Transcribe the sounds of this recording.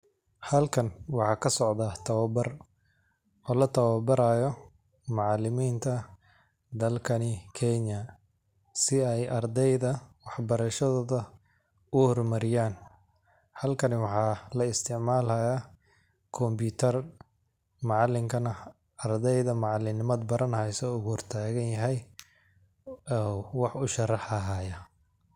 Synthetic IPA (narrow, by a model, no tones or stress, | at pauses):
hɐlkʰɐnwɑħɑːkʰɐsɔʕd̪ɐt̪ʰɐβɐbɐr | ɔːlɐt̪ʰɐβɐbɐɾaːjɔ | mɑʕɑlɪmiːnt̪ʰɐ | d̪ɐlkʰɐnɪkʰɛɲɐ | sɪɛjʔɐrd̪ɛjðɐwɑħbɐɾɐʃɐðɔːðɐ | ʊhɔrmɐɾɪjaːn | hɐlkʰɐnɪwɑħɑːlɐɪst̪ʰɪʕmaːlhɐja | kʰɔmbuːt̪ʰɐr | mɑʕɑlːɪŋkʰɐnɐ | ɐrd̪ɛjðɐmɑʕɑlːɪnɪmɐd̪bɐɾɐnhɛjsɔːʊɣʊhɔrt̪ʰaːɣɐnjɐɦɛj | ɔːwɑħʊʃɐrɑħɐɦaːjɐ